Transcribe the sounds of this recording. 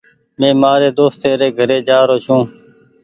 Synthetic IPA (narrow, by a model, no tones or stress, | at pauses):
mẽːmaːɾeːd̪oːst̪eːɾeːɡʱəɾeːd͡ʒaːɾoːt͡ʃʰũː